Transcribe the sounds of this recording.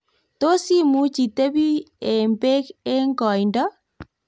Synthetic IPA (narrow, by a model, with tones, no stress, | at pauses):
to˦si˦mu˦t͡ʃi˨te˦βi˦e˨mbe˦ke˦ŋɡɔ˨inda˦